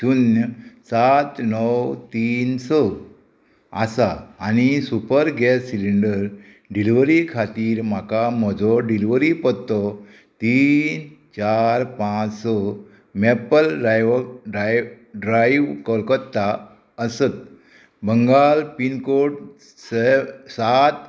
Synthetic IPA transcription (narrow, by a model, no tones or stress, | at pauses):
tunjsat̪nɔwt̪iːnsɔ | asaːñisupəɾɡɛsiliɳɖəɾ | ɖiliʋəɾikʰat̪iːɾm̤akam̤ɔd͡zʱɔɖiliʋɾipɔt̪ːɔ | t̪int͡ɕaɾpãt͡ssɔ | mepəlɖɾajʋɖaj | ɖɾajʋkəlkət̪ːa | əsət̪̚ | bəŋɡalpinkoʈ | sesat̪